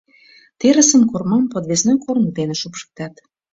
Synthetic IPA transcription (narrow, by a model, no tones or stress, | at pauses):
t̪eɾə̆sə̆mkormɑmpot̪βesnekornt̪eneʃupʃə̥k̚t̪ɑt̪